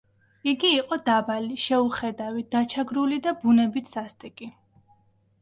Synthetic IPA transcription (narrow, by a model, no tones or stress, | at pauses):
iɡiːqʼɔd̪abaliʃɛuχɛd̪avid̪̥at͡ʃʰaɡɾulid̪abunɛbit̪ʰsast̪ʼikʼi